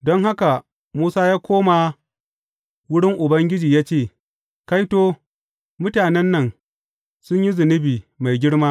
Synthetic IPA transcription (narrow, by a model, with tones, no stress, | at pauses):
dɔ˦ŋɦa˦ka˨ | muː˦saː˦jaː˦kʷoː˦ma˨ | wʊ˦ɽɪ˦ŋʔʊ˨bɐ˦ŋɡʲɪ˦d͡ʒiː˨jaː˦t͡ʃeː˦˨ | ka˦jtoː˦ | mʊ˦taː˨nɛ˦nːɐ˨ŋ | sʊ˦ɲji˦zɪ˨nɪ˦biː˨ma˨jɡʲɪ˦ɽmaː˦